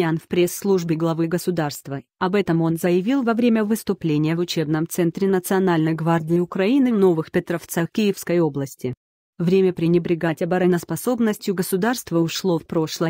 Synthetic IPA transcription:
anfpɾʲesːlˠuʐbʲɪɡlˠɐvɨɡəsʊd̪arst̪vəɐbɛt̪əmo̞nzəjɪvʲilˠvɐvɾʲemʲəvɨst̪ʊplʲenʲɪjəvʊt͡ɕe̞bnəmt̪sɛnt̪ɾʲɪnət̪sɨɐnalʲnəjɡvardʲɪɪʊkɾɐinɨvno̞vɨxpʲɪt̪ɾɐft̪səxkʲɪjɪfskəjo̞blˠəsʲtʲɪ | vɾʲemʲəpɾʲɪnʲɪbɾʲɪɡatʲɐbɐɾɐnəspɐso̞bnəsʲtʲjʊɡəsʊd̪arst̪vəʊʂlˠo̞fpɾo̞ʂlˠə

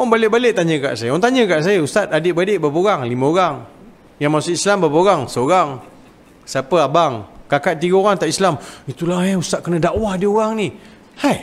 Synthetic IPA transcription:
ɔŋbalɪʔbalɪʔt̪aɲə̃ka̰ʔsajəɔnt̪aɲə̃kaʔsajəust̪at̪̚adɪʔbadeʔbapəoɣaŋlimãoɣaŋ | jaŋmasʊislambapəoɣaŋsəoɣaŋ | sapəabaŋkakaʔ̪̚t̪iɡaoɾaŋt̪aʔislamit̪ulahɛust̪aʔ̪̚kənə̃daʔwahdioɣaŋni | haj

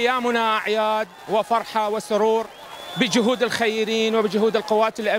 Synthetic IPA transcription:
jːaːmʊnaʔaʕjaːd̪wɪfɑɾˤħawɪsʊɾuːɾ | bɪd͡ʒʊɦuːd̪ɪlxajːɪɾiːnwɪbɪd͡ʒʊɦuːd̪ɪlqʊwːaːt̪ɪlʔa

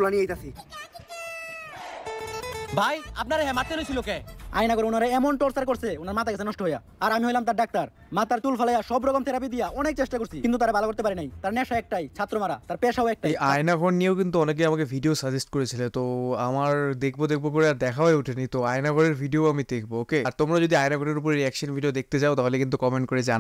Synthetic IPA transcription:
ulaniejt̪asʰi | bʱaja̰p̚naɾeɦɛmat̪ːenojt͡ɕʰilokeajnakoɾeunaɾeɛmonʈɔɾsaɾkoɾt͡ɕʰeunaɾmat̪ʰaɡasʰenɔʃʈoɦoja | aɾamiɦojlamt̪aɾɖak̚t̪aɾ | mat̪aɾt̪ulfalajaʃɔbɾɔɡomt̪eɾap̬id̪ijaʔɔnek̚t͡ɕeʃʈakoɾsʰikint̪ut̪aɾabalakoɾt̪epaɾinajt̪aɾnɛʃaɛk̚ʈajt͡ɕʰat̪ːɾomaɾat̪aɾpeʃaoɛk̚ʈaejajnaɡʰʱɔnːijeokint̪uɔnek̬eamakebʱiɖiosad͡ʑesʈkoɾet͡ɕʰilet̪oamaɾd̪ekʰbod̪ek̚ʰbopoɾeaɾd̪ɛkʰaoeuʈʰenit̪oajnaɡʱɔɾeɾbʱiɖioamid̪ekʰbookeaɾt̪omɾad͡ʑod̪iajnaɡʱɔɾeɾup̬oɾeɾiɛkʃonbʱiɖiod̪ek̚t̪et͡ɕaot̪aɦolekint̪ukɔmeɳʈkoɾed͡ʑan

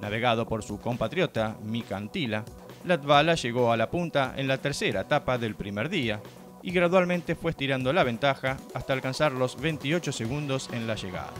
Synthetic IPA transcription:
naβ̞e̞ɣað̞o̞po̞ɾsuko̞mpat̪ɾjo̞t̪amikant̪ila | lat̪βalaʒe̞ɣo̞alapunt̪aʔḛnlat̪eɾseɾaet̪apaðe̞lpɾimeɾðia | iɣɾaðwalmẽnt̪e̞fwest̪iɾand̪o̞laβe̞nt̪axaast̪aːlkansaɾlo̞zβejnt̪io̞t͡ʃo̞seɣund̪o̞senlaʒeɣa̰ða̰

